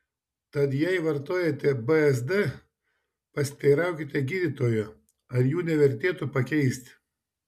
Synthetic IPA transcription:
t̪ɐt̪jɛɪʋɐɾt̪oːjet̪ʲɛbɨɛzd̪ɨ | pɐsʲɪ̥t̪ɐɪɾɑˑʊkʲɪt̪ʲɛɡʲiːd̪ʲit̪oːjo | ɐɾjuːnʲɛʋʲɛɾʲt̪ʲeːt̪ʊpɐkʲɛɪsʲt̪ʲ

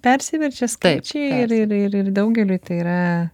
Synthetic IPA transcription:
pʲɛɾʲsʲɪʋʲɛɾʲd͡ʒʲɛskɐɪt͡ʃʲɛɪrɪɾɪrɪrd̪ɐʊɡʲɛlʲuːt̪ɐɪiːɾɐ

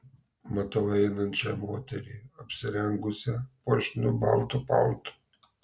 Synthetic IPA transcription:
mɐt̪oʋɐɛɪnɐnʲt͡ʃʲɛmoːt̪ʲɛɾʲiːɐpʲsʲɪɾʲɛŋɡʊsʲɛpuɔʃʲnʲʊbɑ̰lˠt̪ʊpɑ̰lˠt̪ʊ̥

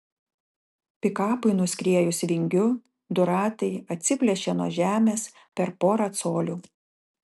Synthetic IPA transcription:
pʲɪkɑːpʊɪnʊsʲkʲɾʲiɛjʊsʲʋʲɪŋʲɡʲʊ | d̪ʊɾɑːt̪ɐɪɐt̪ʲsʲɪpʲlʲɛʃʲenuɔʒʲæːmʲeːs | pʲɛɾpoːɾɐt̪soːlʲuː

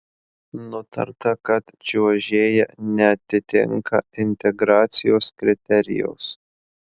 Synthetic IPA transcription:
nʊt̪ɐ̰ɾt̪ɐkɐt̪d͡ʒʲuɔʒʲeːjɛ̰nʲɛɐt̪ʲːɪt̪ʲɪ̰ŋkɐ̰ɪnʲt̪ʲɛɡɾɑːt̪sʲɪjoːskɾʲɪt̪ʲɛɾʲɪ̰jɛ̰ʊs

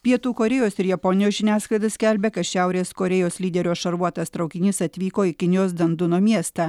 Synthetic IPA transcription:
pʲiɛt̪uːkoɾʲɛjoːsɪɾjɛpɔnʲɪjoːsʒʲɪnʲæːsklˠɐɪd̪ɐsʲkʲælʲbʲekɐt̪ʃʲæˑʊɾʲeːskoːɾʲɛjoːslʲiːd̪ʲɛɾʲoːʃɐɾuɔt̪ɐst̪ɾɐʊkʲɪnʲiːsɐt̪ʲʋʲiːkoːɪkʲɪnʲɪjoːsd̪ɐnd̪ʊnoːmʲiɛst̪ɑː

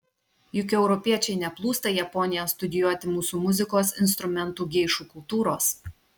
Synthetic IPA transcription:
jʊkʲɛʊɾɔpʲiɛt͡ʃʲɛɪnʲɛplˠuːst̪ɐjɛpɔnʲɪjost̪ʊd̪ʲɪjuɔt̪ʲɪmuːsuːmʊzʲɪkoːsɪnst̪ɾʊmʲɛnt̪uːɡʲɛɪʃuːkʊlˠt̪uːɾoːs

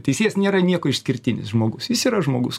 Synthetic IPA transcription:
t̪ʲɛɪsʲeːjɛsnʲeːɾɐnʲiɛkoːɪʃsʲkʲɪrʲt̪ʲɪnʲɪ̰sʒmoːɡʊsjʲɪsiːɾɐʒmoːɡʊs

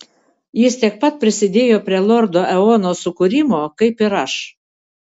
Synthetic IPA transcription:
jɪst̪ʲiɛk̚pɐt̪̚pʲɾʲɪsʲɪd̪ʲeːjoːpʲɾʲiɛlˠɔɾd̪oːʔɛoːnoːsʊkʊɾʲɪmoːkɐɪpɪɾɐʃ

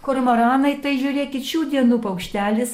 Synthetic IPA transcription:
koɾmɐɾɑːnɐɪt̪ɐɪʒʲuːɾʲeːkʲɪt͡ʃʲuːd̪ʲiɛnuːpɐʊkʃʲt̪ʲæːlʲɪs

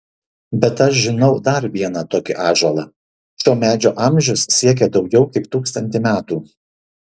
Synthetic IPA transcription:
bʲɛt̪ɐʃʒʲɪnɒʊd̪ɐɾʋʲiɛnɐt̪oːkʲɪʔɑːʒolˠɑ | ʃʲoːmʲæːd͡ʒʲoːʔɐmʲʒʲʊssʲiɛk̬ʲɛd̪ɒʊɡʲɛʊkʲɪpt̪uːkst̪ɐnʲt̪ʲɪmʲæːt̪uː

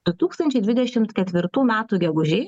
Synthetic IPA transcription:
ʊt̪uːkst̪ɐnʲt͡ʃʲɛɪd̪ʲʋʲɪd̪ʲɛʃʲɪmt̪kʲɛt̪ʲʋʲɪɾt̪uːmʲæːt̪uːɡʲɛɡʊʒʲeː

